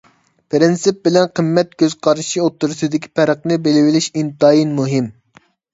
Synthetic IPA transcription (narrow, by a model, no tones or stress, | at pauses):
pɾɪnsɪp̚bɪlɛnqʰəmːɛt̪̚kʲøz̥qʰɑɾʃiot̪ʰːuɾɨsɨd̪ɪkʲʰi̥pʰɛɾəqnɨbelɪwɪlɪʃimt̪ɑːjinmuɦɪm